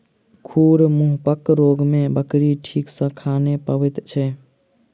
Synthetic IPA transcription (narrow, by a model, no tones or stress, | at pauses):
kʰuɾmuɦpəkɾoɡmẽbəkɾiʈʰiːksə̃kʰanepəʋɛt̪t͡ʃʰɛ